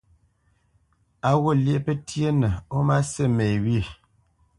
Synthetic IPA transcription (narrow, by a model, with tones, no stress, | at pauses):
a˨ɣo˦˨lje˦ʔpə˦tje˦nə˨o˦ma˦se˦˨me˨we˦˨